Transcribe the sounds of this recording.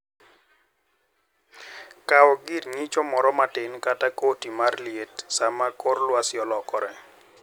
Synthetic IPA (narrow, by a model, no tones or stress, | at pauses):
kaɔɡirɲit͡ʃɔmɔɾɔmatɪnkatakotimarljetsamakorlwasjɔlɔkɔɾɛ